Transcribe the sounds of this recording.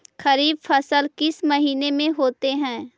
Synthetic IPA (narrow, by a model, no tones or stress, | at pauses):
xɐɾiːb̚fɐsəlkɪsmɐɦiːnemẽɦoːt̪eɦɛ̃ː